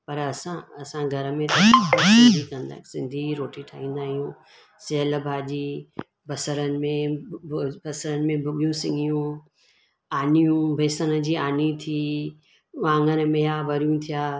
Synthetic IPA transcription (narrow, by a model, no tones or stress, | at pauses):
pɐɾɐsãɐsãɡʱɐɾəmẽɾɐɦad͡ʒʱikɐ̃nd̪a̰ːsɪ̃nd̪ʱiɾoːʈiʈʰaːɦĩːn̆d̪aːɦijũː | seɦələbʱaːd͡ʑiː | bɐsəɾənɪ̆mẽ | bɐsəɾənɪ̆mẽbʱɐɓijũsɪ̃ŋɡijũ | aːnijũbʱeːsənə̆d͡ʑiːaːnit̪ʰiː | ʋãːŋɡən̆mejaʋɐɾijũt̪ʰijaː